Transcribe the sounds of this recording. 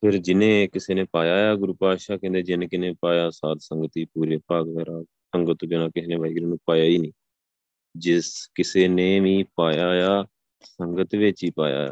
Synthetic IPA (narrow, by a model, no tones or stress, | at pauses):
pʰɪɾd͡ʒɪnẽːkɪseːnẽːpaːjaːjaːɡʊɾuːpaːʃaːkẽnd̪eːd͡ʒɪnẽːkɪnẽːpaːjaːsaːd̪səŋɡət̪iːpuːɾeːpaːɡ̪aːɾaː | əŋɡət̪bɪnãːkɪsnẽːʋaːiːɡɾeːnũːpaːjaːiːnĩː | d͡ʒɪskɪseːneːʋĩːpaːjaːjaː | səŋɡət̪ʋɪt͡ʃiːpa̰ːja̰ːja̰ː